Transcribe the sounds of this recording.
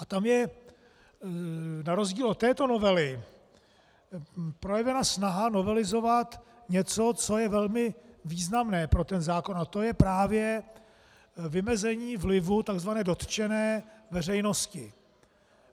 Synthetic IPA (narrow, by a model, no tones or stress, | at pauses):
ʔat̪amjɛ | naɾo̞zɟiːlot̪ːɛːt̪o̞no̞vɛlɪ | pɾo̞jɛvɛnasnaɦano̞vɛlɪzo̞vat̪ | ɲɛt͡so̞t͡so̞jɛvɛlmɪviːznamnɛːpɾo̞t̪ɛnzaːko̞nat̪o̞jɛpɾaːvjɛ | vɪmɛzɛɲiːvlɪvut̪aɡzvanɛːdo̞t̪t͡ʃɛnɛːvɛr̝ɛjno̞scɪ